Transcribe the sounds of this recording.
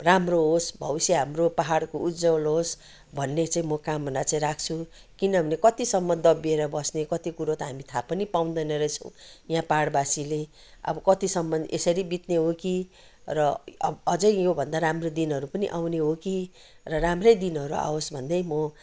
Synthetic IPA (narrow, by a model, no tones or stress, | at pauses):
ramroɦosbʱʌwisjeɦamropaɦaɽkoʔud̪d͡zʌwlɦos | bʱʌnːet͡saĩmʌkambʱʌnd̪at͡sãĩɾak̚ʰt͡sʰu | kinʌbʱʌnekʌt̪isʌmːʌd̪ʌbieɾʌbʌsnekʌt̪ikuɾot̪ʌɦamit̪ʰapʌnipaw̃nd̪ʌnʌɾʌt͡sʰʌ̰w̃jãpaɽbasile | ʌ̰bʌkʌt̪isʌmːʌnʔesʌɾibit̪neɦoki | rʌʌ̰ʌd͡zʌjjobʱʌnd̪aɾamrod̪inɦʌɾupʌniʔawneɦoki | rʌramrʌjd̪inɦʌɾua̰osbʱʌnd̪ʌjmʌ